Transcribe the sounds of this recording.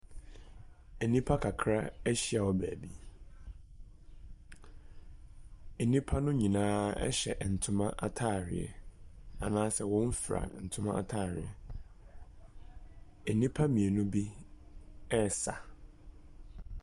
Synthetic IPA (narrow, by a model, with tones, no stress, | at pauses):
e˨nĩ˦pʰa˦kʰa˨kʰɾa˦æ˦ɕi˦a˨wɔ˦bæː˨bi˦ | e˨nĩ˦pʰa˦nʊ̃˦ɲĩ˨nãː˦ɛ̰˦ɕɛ̰˨ʔn̩˨tʰʊ̃˦mã˦ʔa˦tʰaː˦˨ɾɪ̰˨ɛ̰˨a˨nãː˦sɛ˦˨wɔ̃˦m̩˦fɾa̰˨n̩˨tʰʊ̃˦mã˦a̰˨tʰaː˦˨ɾɪ̰˨ɛ˨ | e˨nĩ˦pʰa˦mĩ˨e˨nʊ̃˦bi˦ | ɛ˦˨sa˨